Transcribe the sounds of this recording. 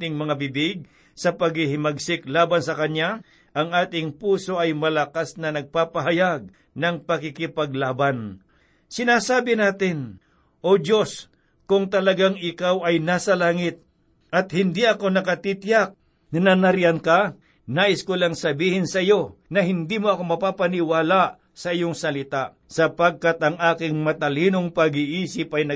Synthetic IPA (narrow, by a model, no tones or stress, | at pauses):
t̪ɪŋmɐŋabɪbɪɡ̚ | sɐpɐɡɪhɪmɐɡ̚sɪklaːbɐnsɐkɐnja | ʔɐŋaːt̪ɪŋpuːso̞ʔɐjmɐlɐkasnɐnɐɡ̚paːpɐɦɐjaɡ̚ | nɐŋpɐkɪkɪpɐɡ̚laːban | sɪnaːsaːbɪnaːt̪ɪn | ʔo̞d̪jo̞s | kʊŋt̪ɐlɐɡaŋɪkawɐjnaːsɐlaːŋɪt̪̚ | ʔɐt̪̚hɪnd̪iʔɐko̞nɐkɐt̪it̪jak̚ | nɐnɐnɐɾɪanka | naːʔɪskʊlaŋsɐbiːhɪnsɐɪjo̞nɐɦɪnd̪imoʔɐko̞mɐpaːpɐnɪwaːlaʔ | sɐʔɪjo̞ŋsɐlɪt̪aʔ | sɐpɐɡ̚kat̪ɐŋaːkɪŋmɐt̪ɐliːnoŋpɐɡiʔiːsɪpɐjnɐ